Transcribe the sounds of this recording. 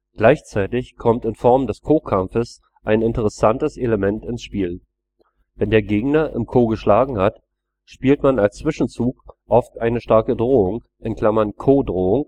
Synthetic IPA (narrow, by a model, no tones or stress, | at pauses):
ɡ̥laɪçt͡saɪtɪçkʰɔmtɪnfɔɐmdɛskʰoːkʰamfəs | ʔaɪnɪntəʁ̞əsantəseləmɛntɪnsʃpiːl | v̥ɛndeːɐɡeːɡnɐʔɪ̰mkʰoːɡəʃlaːɡŋ̩hat | ʃpiːltmanalst͡sv̥ɪʃn̩t͡suːkʔɔftʔaɪnəʃtaɐkədʁoːʊŋ | ʔɪnkl̥amɐnkʰoːdʁoːʊŋ